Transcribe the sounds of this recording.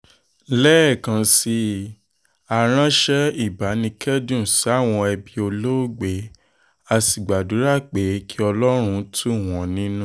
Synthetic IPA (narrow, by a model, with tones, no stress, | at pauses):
lɛ˦˨kã˨˧si˧ | a˨ɾ̃ã˦ʃɛ˦i˦˨ba˨˦nĩ˧kʰɛ˦dũ˦˨sa˨˦˨w̃ɔ̃˧ɛ˧bi˧o˧lo˦˨ɡ͡be˨˦ | a˧˨si˨ɡ͡ba˨du˨˦ɾa˦˨k͡pe˨˦kʰi˦ɔ˧lɔ˦ɾ̃ũ˧˦tʰu˦˨w̃ɔ̃˨nĩ˦nũ˦